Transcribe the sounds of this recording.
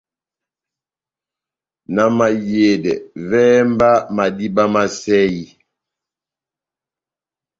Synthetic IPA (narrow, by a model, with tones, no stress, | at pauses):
na˨ma˨je˨dɛ˨vɛː˦mba˦ma˨di˦ba˦ma˦sɛ˦i˦